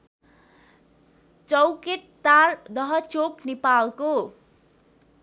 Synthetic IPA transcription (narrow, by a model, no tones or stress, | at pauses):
t͡sʌwkeʈ̚t̪ard̪ʌɦʌt͡soknepalko